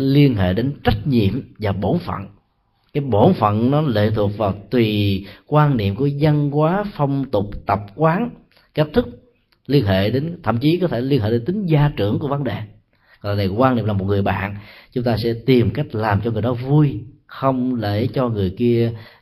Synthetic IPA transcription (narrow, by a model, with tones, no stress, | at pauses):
li˧ənɦḛ˧˨ɗe˨˦nt͡ɕə˦˥jk̟̚ɲḭ˧˨əmvaː˨˩ɓo˧˩˦nfə̰˧˨n | kaː˨˦jɓo˧˩˦nfə̰˧˨nnɔ˨˦lḛ˧˨t̪ʰu˨˩ək̚vaː˨˩wt̪wi˨˩kwaː˧nnḭ˧˨əmku˧˩əzə˧nkwaː˨˦fə˧wŋ͡mt̪ʊ˨˩k͡p̚t̪ə˨˩p̚kwaː˨˦n | ke˦˥t̚t̪ʰɨ˦˥k̚ | li˧ənɦḛ˧˨ɗe˨˦nt̪ʰə̰˧˨mt͡ɕi˨˦kɔ˨˦t̪ʰe˧˩li˧nɦḛ˧˨ɗe˨˦nt̪ï˨˦ŋ̟zaː˧t͡ɕɨ˧˩əŋku˧˩əvə˨˦nɗe˨˩ | ɡɔ˨na˨˩kə˦kwa˧nḭ˧˨mlaː˨˩mo˨˩t̚ŋ˨˩əjɓa̰ː˧˨nt͡ɕʊ˨˦ŋ͡mt̪aː˧sɛ̰˧˥t̪i˨˩m˨˩ka˦˥jk̟̚laː˨˩mt͡ɕɔ˧ŋɨ˨˩əjɗɔ˨˦vu˧j | xə˧wŋ͡mlḛ˧˩˥t͡ɕɔ˧ŋɨ˨˩əjki˧ə